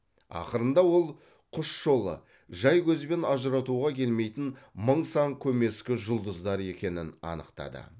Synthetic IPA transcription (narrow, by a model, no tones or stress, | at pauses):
ɑ̰qəɾənd̪ɑwo̞lˠ | qʰʊʃʒo̞lˠə̰ | ʒɑjkʲʰɵzɪbenɑʒəɾɑt̪uʁɑkʲʰe̞lme̞jt̪ɪnməɴsɑŋkʲʰɵme̞skʲɪʒʊlˠd̪əzd̪ɑɾe̞kʲe̞nɪnɑ̰nəqt̪ɑ̰d̪ə̰